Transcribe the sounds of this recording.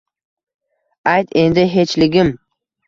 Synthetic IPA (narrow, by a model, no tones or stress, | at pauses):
ajt̪ʰe̞nd̪ɪɦe̞t͡ʃlɪɡʲɪm